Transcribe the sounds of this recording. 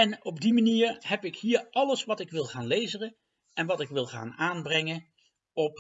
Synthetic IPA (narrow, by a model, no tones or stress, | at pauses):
ɛnɔb̚dimaniːɹhɛpɪkɦiːɹɑləsʋɑtɪkʋɪlˠχaːnlejzərə | ɛnʋɑtɪkʋɪlˠχa̰ːnaːnbrɛŋə | ɔp